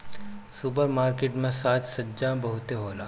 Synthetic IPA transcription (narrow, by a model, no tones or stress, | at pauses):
supəɾmaːɾkeːʈmẽsaːt͡ʃ̪sɐd͡ʒãbɐɦʊt̪eɦoːlaː